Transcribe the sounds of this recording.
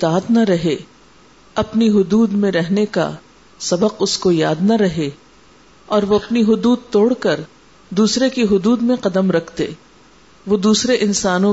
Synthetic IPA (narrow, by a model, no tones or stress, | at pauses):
ɪt̪aːt̪nɐɾɐɦe | ɐpniɦʊd̪uːd̪mẽɾɛɦneka̰ | sɐbəqʊskojaːd̪nɐɾɐɦe | ɔːɾʋoɐpniɦʊd̪uːd̪̚t̪oːɽkɐɾ | d̪uːsɾekiɦʊd̪uːd̪mẽqɐd̪əmɾɐkʰt̪ḛː | ʋod̪uːsɾeʔɪnsaːnõ